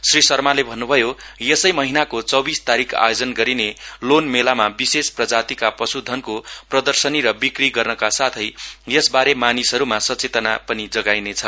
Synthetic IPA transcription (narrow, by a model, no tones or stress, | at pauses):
srisʌrmalebʱʌnːubʱʌjojesʌjmʌɦinakot͡sʌbist̪aɾikʰa̰jod͡zʌnɡʌɾinelonmelamabisesprʌd͡zat̪ikaprʌsud̪ʱʌnkoprʌd̪ʌrsʌniɾʌbikriɡʌrnʌkasat̪ʰʌjjʌsbaɾemanisʌɾumasʌt͡set̪ʌnapʌnid͡zʌɡajnet͡sʰʌ